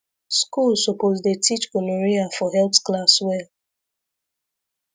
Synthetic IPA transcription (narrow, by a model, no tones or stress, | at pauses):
skulsopozdetit͡ʃkonoɹiafɔɦɛlpsklaswɛl